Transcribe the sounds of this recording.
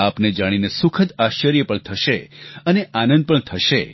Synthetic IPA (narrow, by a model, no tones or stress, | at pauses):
apned͡ʒaɽ̃inesukʰət̪aʃəɾjəpəɳt̪ʰəʃeəneʔanə̃nd̪̚pəɳt̪ʰəʃe